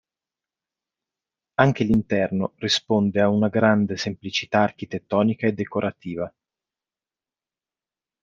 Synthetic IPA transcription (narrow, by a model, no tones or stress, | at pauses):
aŋk̟elint̪ɛrnorispond̪eaunaɡɾand̪esemplit͡ʃit̪aːrkit̪et̪ːɔːnikaed̪ːekoɾʔat̪iːva